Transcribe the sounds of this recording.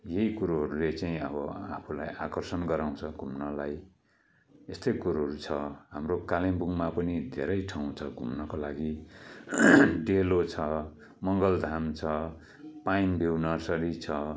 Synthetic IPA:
jeɦikuɾoɦʌɾulet͡saĩʌ̰bʌapʰulajakʌrsʌnɡʌɾaw̃t͡sʰʌɡʱumnʌlaj | est̪ʌjkuɾaɦʌɾut͡sʰʌɦamrokalembuŋmapʌnid̪ʱḛɾʌjʈʰawũt͡sʰʌɡʱumnʌkolaɡi | ɖelot͡sʰʌ | mʌŋɡʌld̪ʱamt͡sʰʌ | painbʱiwnʌsʌɾit͡sʰʌ

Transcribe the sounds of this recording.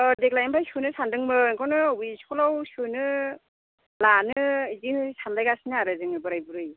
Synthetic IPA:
dek̚lajimpʰajsunɯsandɯŋmɯŋkʰɔwnɯwiskʰulawsɯnɯ | lanɯzihɯsanlajɡasinɯaɾɯzɯŋɯbɯɾajbuɾɯj

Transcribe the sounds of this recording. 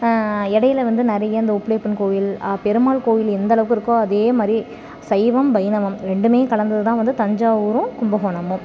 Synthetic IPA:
ɪɽɐjɪlɐʋɐnd̪ɯnɪɾɐjɐɪnd̪ɐʊpːɭeːpɪnkoːjɪlaːpɛɾɯmaːlkoːjɪlɛnd̪ɐɭɐʋɯkːɯɪɾɯkːõɐðeːmaːd̪ɾi | sɐɪʋɐmbɐjnɐʋɐmɾɛɳɖɯmeːkɐɭɐnd̪ɐðɯt̪ãːʋɐnd̪ɯt̪ɐɲd͡ʒaːuːɾɯ̃kʊmbɐɦoːnɐmʊ̃m

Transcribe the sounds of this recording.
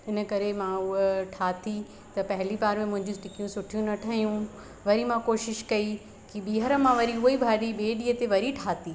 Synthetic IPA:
ɪnə̆kɐɾemãʊɦeʈʰaːt̪ʰi | t̪ɐpɐɦɪlibaːɾmẽmʊ̃ɦɪ̃ɲd͡ʑũsʈɪkijũsʊʈʰijũnɐʈʰaɦijũ | ʋɐɾimãkoːʃɪʃkɐi | kiɓiːɦəɾə̆mãʋɐɾiʊibʱaːɗiɓeːɗiːɦət̪eʋɐɾiʈʰaːt̪ʰi

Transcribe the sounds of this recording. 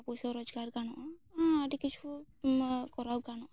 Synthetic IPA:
pɔjsɔɾɔd͡ʒɡaɾɡaɽɔʔãaʈikit͡ʃʰu | kɔɾawɡaɽ̃ɔ

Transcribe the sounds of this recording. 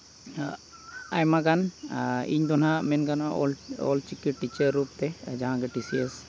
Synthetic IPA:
ajmakanḭɲd̪ɔnamɛnkanɔ̰lɔ̰lt͡ʃikiʈʈit͡ʃəɾːupt̪ɛd͡ʒaɦãɡeʈisiəs

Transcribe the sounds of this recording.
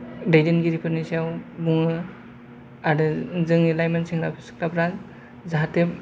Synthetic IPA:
dajdenɡiɾipʰɯnisiawbuŋɯ | aɾɯzɯŋnilajmansiŋɾapʰisɯ̥klabɾaz | zaɦatep̚

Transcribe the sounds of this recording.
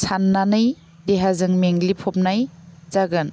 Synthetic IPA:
sanːanɯj | deɦazɯŋmeŋlipʰɔp̚najzaɡɯn

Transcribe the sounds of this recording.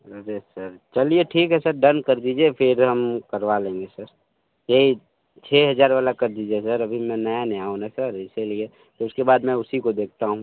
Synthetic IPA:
əɾesɐɾt͡ʃɐlieʈʰiːkɦɛsɐɾɖənkɐɾd̪iːd͡ʒiepʰɪɾɦɐmkɐɾʋalẽːŋɡesəɾ | jei | t͡ʃʰeːɦɐd͡ʒaːɾʋaːlakɐɾd̪iːd͡ʒiesɐɾɐbʱimɛ̃nəaneaːɦũnasəɾɪselie | t̪oʊskebaːd̪mɛ̃ʊsikod̪eːk̚ʰt̪aɦũː

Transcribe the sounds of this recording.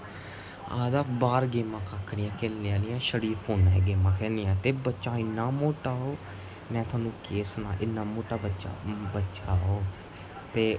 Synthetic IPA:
aːd̪aːpbaːɾɡeːmãːkaːkʰːɽɪːãːkeːlneːãːlɪjãːʃəɽiːpʰoːnɛːɡeːmãːkʰɛːniːãːt̪eːbətːʃaːɪnːaːmoːʈaːoː | mɛ̃ːt̪ʰʊaːnũːkeːsənã̰ːʔɪnːaːmoːʈaːbət͡ʃa̰bətːt͡ʃaːoː | t̪eː

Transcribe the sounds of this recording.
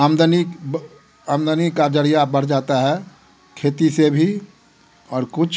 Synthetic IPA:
aːmd̪əni | aːmd̪ənikad͡ʒəɾijabɐɽ̤d͡ʒaːt̪aɦɛ | kʰeːt̪isebʱi | ɔːɾkʊt͡ʃʰ

